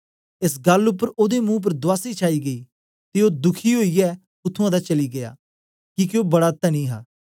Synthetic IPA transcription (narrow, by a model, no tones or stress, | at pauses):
es̬ɡɐlʊpːəɾoːd̪emũːp̬əɾd̪ʊwaːsit͡ʃʰaːiːɡəiː | t̪eoːd̪ʊkʰiːɦoːijɛː | ʊt̪ʰːʊ̃ãːd̪aːt͡ʃɐliːɡɐja̰ː | kikjoːbɐɽaːt̪ːanĩːɦa̰ː